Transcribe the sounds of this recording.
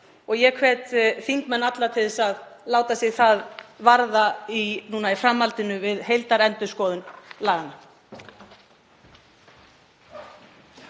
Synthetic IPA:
ɔɣjɛkʰvɛt̪θiŋt̪mɛnːat̪laɾt̪ʰɪðɪsaðlaːwt̪asjɛɣθaðvaɾðainuːnaifɾamːalt̪ɪnʏvɪðɦejlt̪aɾɛnt̪ʏskɔːðʏnlaːɣanːa

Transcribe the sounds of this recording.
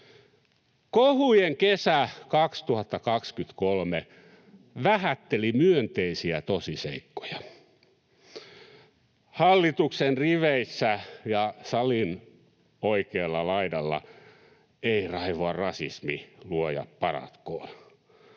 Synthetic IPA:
kohujeŋkesækɑkst̪uhɑt̪ːɑkɑkskyt̪kolme | ʋæhæt̪ːelimyønt̪eisiæt̪osisḛikːo̥jɑ | hɑlːit̪uksenriʋeisːæjɑsɑlin | oikeːlːɑlɑidɑlːɑ̰ | eirɑiʋoɑrrɑsḭsmiluojɑ̰ppɑrɑ̰t̪ko̰ːn

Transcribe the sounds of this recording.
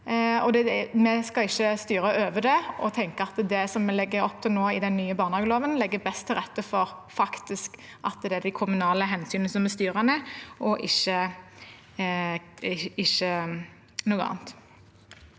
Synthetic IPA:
ɔd̪ɛmɛskɑɪçːəst̪yːɾəʔøːʋəd̪ɛɔ̰t̪ʰɛŋkəɑt̪d̪ɛsɔmːɛlɛɡːəɾɔp̚ːt̪ʰɪlnoːɪd̪ɛnːyːəbɑːʁnəhɑːɡəloːʋənlɛɡːəbɛst̪ʰːɪlʁɛt̪ːəfɔɾfɑkt̪ɪsk | ʔɑ̰t̪d̪ɛæd̪æɪkʰʊmʉnɑːləɦɛnsyːnəsɔmɛst̪yːɾənɛʔɔʔɪçːə | ɪʃːə | nuːəɑ̰ːnt̪

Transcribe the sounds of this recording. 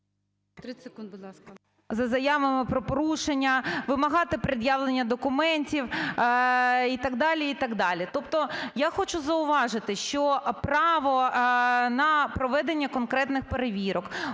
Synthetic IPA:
t̪b̪ˠskɐ | zɐzɐjaʋɐmɪpɾɔpɔɾuʃenʲːɐʋɪmɐɦɑt̪ɪpɾɪd̪jaʋlˠenʲːɐd̪ɔkʊmɛnʲtʲiw | it̪ɐɡd̪ɑlʲiit̪ɐɡd̪ɑlʲit̪ɔpt̪ɔjaxɔt͡ʃʊzɐʊʋɑʒɪt̪ɪʃt͡ʃɔpɾɑʋɔ | nɐpɾɔʋɛd̪enʲːɐkɔnkɾɛt̪nɪxpeɾeʋʲiɾɔk

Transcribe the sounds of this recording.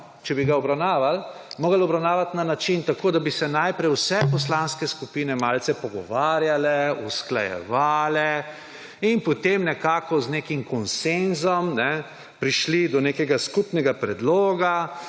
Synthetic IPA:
t͡ʃɛbiɡaɔbɾawnaːʋalmoːɡəlɔbɾawnaːʋat̪nanat͡ʃint̪akoːd̪abisɛnajpɾɛjwsɛpɔslaːnskɛskupiːnɛmaːlt̪sɛpɔɡɔ̰ʋaːɾjalɛuskla̰jɛ̰ʋaːlɛ | inpɔt̪emnɛkaːkɔznekimkɔnsenzɔmnɛ | pɾiʃlid̪ɔneːkɛɡaskupnɛɡapɾɛd̪loːɡa

